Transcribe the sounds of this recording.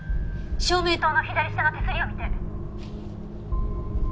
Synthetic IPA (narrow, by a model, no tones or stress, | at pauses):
ɕoːmʲeːt̪oːnoçʲid̪aɾʲisi̥t̪enot̪e̞sɨɾʲio̞mʲit̪e̞